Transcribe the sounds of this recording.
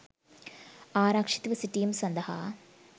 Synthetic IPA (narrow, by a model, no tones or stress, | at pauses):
aːɾaːkʂi̥t̪ʋɐsiʈːijɐmsɐnd̪ɐha̰ː